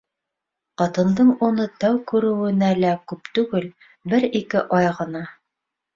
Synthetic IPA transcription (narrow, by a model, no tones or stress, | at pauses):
qɑt̪ɤ̆nd̪ɤɴunɤt̪æwkʉɾɘ̆wɘ̆nælækʉpt̪ʉɡɘl | bɘɾikɘʔɑjʁɤ̆nɑ